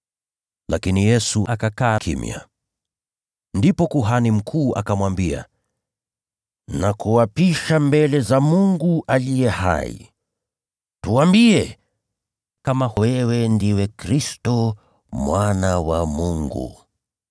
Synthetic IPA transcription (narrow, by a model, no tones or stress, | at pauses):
lakinijɛsuʔakakaːkʰḭmja̰ | ndipɔkuɦanim̩kʰuːʔa̰kamwambia̰ | nakuwapiʃambɛlɛzamuŋɡuʔalijɛha̰ḭ | tuwambiɛ | kamawɛwɛndiwɛkɾistɔ | mwanawamuŋɡṵ